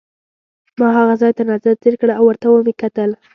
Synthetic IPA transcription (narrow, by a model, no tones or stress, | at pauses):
mɑɦaɣazɑjt̪anazad̪̚zeɾkɽawːəɾt̪awəmekat̪əl